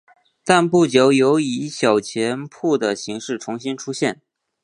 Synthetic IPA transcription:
t̪a˥˧npu˥˩t͡ɕjo˧˥ʊjo˧˥ʊi˧˥ɕjɑ˨˩ʊt͡ɕʰjɛ˧˥npʰu˥˩d̪ə˩ɕi˧˥ŋʂɻ̩˥˩ʈ͡ʂʰʊ˧˥ŋɕi˥nʈ͡ʂʰu˥ɕjɛ˥˩n

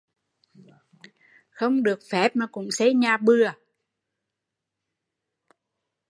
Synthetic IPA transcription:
xə˧wŋ͡mɗɨ˨˩ək̚fɛ˦˥p̚maː˨˩kʊ̰˧˥ŋ͡msɛ˧˥˦ɲaː˨˩ɓɨ˧ə

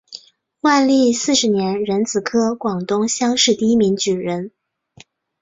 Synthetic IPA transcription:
wa˥˧nli˥˧sɹ̩˥˩ʂɻ̩˧˥njɛ˧˥nɻə˧˥nt͡sɹ̩˨˩kʰɤ˥kwɑ˨˩ŋt̪ʊ˥ŋɕjɑ˥ŋʂɻ̩˥˧t̪i˥˧i˥mi˧˥ŋt͡ɕy˨˩ɻə˧˥n

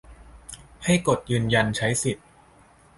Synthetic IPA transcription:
ha˥˩jko˨˩t̪̚jɯː˧nja˧nt͡ɕʰa˦˥jsi˨˩t̪̚

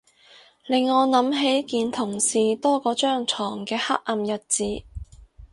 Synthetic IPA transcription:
lɪ˨ŋːɔː˨˧nɐ˨˥mɦe˨˥jkiː˧nt̪ʰʊ˨˩ŋsiː˨t̪ɔː˥kɔː˨˧t͡ʃœː˥ŋt͡sʰɔː˨˩ŋkɛː˧ha˥k̚ʔɐ˨˧mjɐ˨t̚t͡siː˨˥

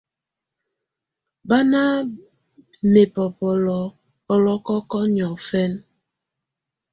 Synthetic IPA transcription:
ba˦na˦ | me˨pɔ˨pɔ˨lɔ˨ | ɔ˨lɔ˦kɔ˦kɔ˦ɲɔ˨fɛ˦n

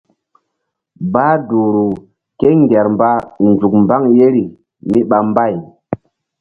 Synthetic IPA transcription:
baː˦du˨ɾu˨ | ke˦ŋɡɛ˨ɾmba˦nd͡ʒu˨kmba˦ŋje˦ɾi˨ | mi˦ɓa˨mba˦˨j

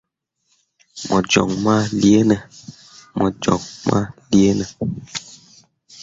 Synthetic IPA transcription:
mɔ˨d͡ʒɔ̰˨ŋma˦li˦e˦nɛ˨ | mɔ˨d͡ʒɔ̰˨ŋ̚ma̰˦li˦e˦nɛ˨

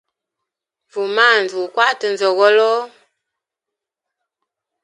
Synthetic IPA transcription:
vu˨ma˦˨n˨zu˨kwa˦ʔtə˨n˨zɔ˨ɣɔ˦lɔ˦

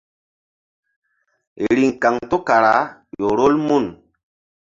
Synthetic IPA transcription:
ɾi˨ŋ˨ka˨ŋto˦ka˨ɾa˨˦jo˨ɾo˦lmu˦˨n

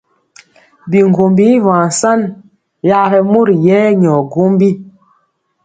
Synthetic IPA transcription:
bi˨ŋ˨ɡo˨mbi˨˦vãː˨n˨sa˦n | ja˦ɾɛ˨mo˦ɾjɛ˦ɲɔ˨ɡo˦mbi˦

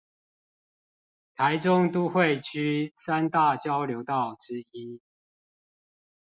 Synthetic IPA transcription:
t̪ʰa˨˦ɪʈ͡ʂʊ˦ŋt̪u˦xwe˥˨ɪt͡ɕʰy˦sa˦nt̪a˥˨t͡ɕjɑ˦ʊljo˨˧˥ʊt̪ɑ˥˨ʊʈ͡ʂɻ̩˦i˦

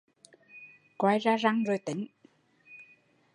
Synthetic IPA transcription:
kwaː˧jzaː˧za˧ŋzo˨˩jt̪i˨˦ŋ̟

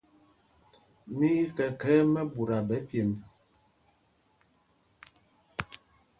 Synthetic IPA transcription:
mi˦i˦kɛ˨kɛ˦mɛ˦bu˨ɾa˨bɛ˨˦pje˨m

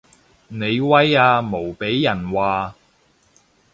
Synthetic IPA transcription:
ne˨˧jwɐ˥jaː˧mo˨˩wpe˨˥jːɐ˨˩nwaː˨

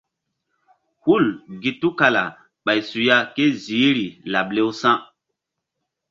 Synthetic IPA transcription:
hu˦˨lɡi˨tu˦ka˨la̰˨ | ɓa˨jsu˨ja˦ke˦zi˨˦ɾi˨la˨ble˦wsã˦

